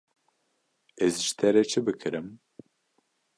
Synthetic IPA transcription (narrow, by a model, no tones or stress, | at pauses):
ɛzʒɨ̥t̪ʰɛɾɛt͡ʃʰɨbɨkʰɨɾɨm